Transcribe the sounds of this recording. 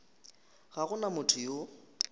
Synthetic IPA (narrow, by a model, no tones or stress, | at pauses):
ɣaɣʊnamʊtʰʊjo